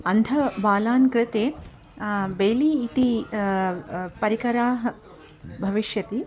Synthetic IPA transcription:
ɐnd̪ʱɐbaːlaːnkɾɪt̪eː | beːliːt̪i | pɐɾikɐɾaːɦɐ | bʱɐʋiʃjɐt̪i

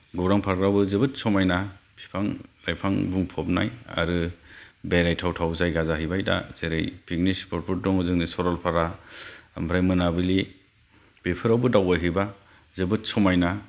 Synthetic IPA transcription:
ɡɔwɾaŋpʰaɾɡɾawbɯzɯbɯt̚sɔmajnapʰi̥pʰaŋlajpʰaŋbuŋpʰɔp̚na̰ja̰ɾɯbejɾajtʰawtʰawzajɡazaɦijbajta̰z̥eɾḛjpʰik̚nispʰɔɾpʰɔt̚dɔŋɯzɯŋnisɔɾɔlpʰaɾaambʰɾajmɯnabɯli | b̥epʰɯɾawbɯdawajɦɯba | zɯbɯtsɔmajna

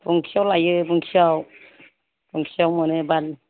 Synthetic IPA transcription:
buŋkʰiawlajɯbuŋkʰiaw | buŋkʰiawmɔnɯbal

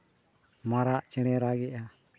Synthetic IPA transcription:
maɾaʔt͡ʃɛɽ̃ɛɾaɡɛʔa

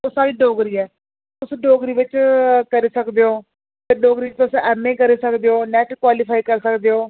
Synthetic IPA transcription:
osaːɾiːɖoːɡɾiːɛː | ʊsɖoːɡɾiːʋɪt͡ʃkəɾiːsəkd̪eːoː | t̪əɖoːɡɾiːɪt͡ʃʊsɛːmẽːkəɾiːsəkd̪eːoːnɛːʈkwaːlipʰaːikəɾsəkd̪eːoː

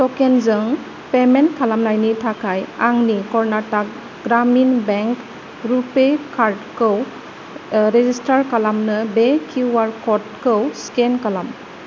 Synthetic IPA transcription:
tɔkenzɯŋ | pemenkʰalamnajnitʰakʰajaŋnikɔɾnatak̚ | ɡɾaminbeŋk | ɾupekʰaɾdkɯw | ɾezistaɾkalamnɯbekʰuwaɾkɔt̚kɯwskenkalam

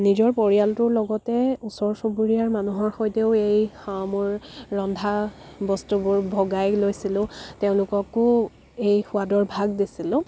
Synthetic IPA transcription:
nizɔɹpoɹijaltʊɹlɔɡɔtɛusɔɹsobuɹijaɹmanuɦɔɹxɔjteʊejmʊɹːɔndʱa | bɔstubʊɹbʱɔɡajlojsilʊ̃teʊ̃lʊkɔkʊ | ejxʊadɔɹbʱaɡdisilʊ̃

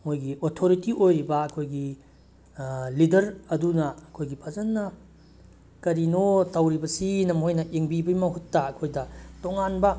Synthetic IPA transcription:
mojɡiʔotʰoɾitiʔojɾibɐɐkʰojɡi | lidɐɾɐdunɐɐkʰojɡipʰɐzɐnːɐ | kɐɾinotɐwɾibɐsinɐmhojnɐʔeŋbibɐjmɐɦutːɐːkʰojdɐtoŋanbɐ

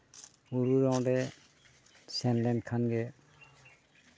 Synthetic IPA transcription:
uɾuɾɔŋdɛ | sɛnlɛnkʰanɡɛ

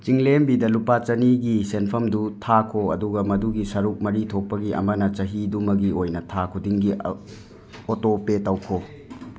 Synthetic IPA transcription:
t͡ʃiŋlembidɐlupat͡ʃɐniɡisenpʰɐmdutʰakʰoɐ̰duɡɐmɐduɡisɐɾuk̚mɐɾitʰok̚pːɐɡiʔɐ̰mɐnɐt͡ʃɐɦidumɐɡiojnɐtʰakʰudiŋɡi | otopetɐwkʰo

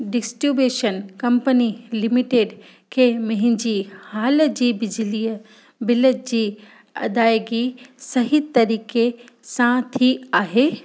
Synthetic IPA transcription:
ɖɪsʈɾubeːʃənkɐ̃mpənilɪmiʈeːɖ | kʰeːmɐ̃ɦɪ̃ɲd͡ʑiːhaːld͡ʑiːbɪd͡ʑɪliːə | bɪləd͡ʑiː | ɐ̰d̪aːjɡisɐɦit̪ɐɾiːke | sãt̪ʰiaːɦeː

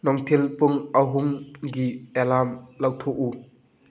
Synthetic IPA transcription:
nɔŋtʰelpuŋaɦuŋɡielamlawtʰoʔu

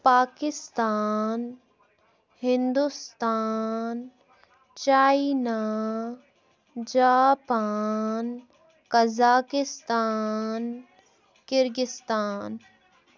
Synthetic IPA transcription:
paːkɪst̪aːn | hɪ̃nd̪ust̪aːn | t͡ʃaːina | d͡ʒaːpaːn | kɐzaːkɪst̪aːn | kɪɾɡɪst̪aːn

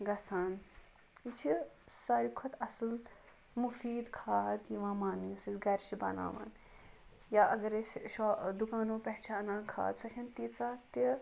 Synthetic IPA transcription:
ɡɐsaːn | it͡ʃʰi | sɐɾikʰɔt̪ɐsl | mufiːd̪kʰaːd̪jiʋãːmaːniɐsɐsɡɐɾt͡ʃʰibɐ̰na̰ːʋa̰ːn | jaːʔɐɡɐɾesʃɔːd̪ukaːnõːpɐɦt͡ʃʰaːnãːnkʰa̰ːd̪sɐt͡ʃʰɐnt̪iːt͡saːt̪i

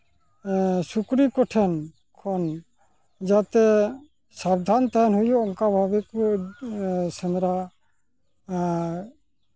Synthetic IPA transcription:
sukɾikɔʈʰɛn | kʰɔn | d͡ʒat̪ɛ | sab̚d̪ʱant̪aɛnɦujɔʔɔŋkabʱabɛku | sɛnɾa

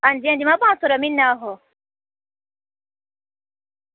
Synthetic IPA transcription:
and͡ʒɛ̃ndimabasuɾaminːaːɦɔ

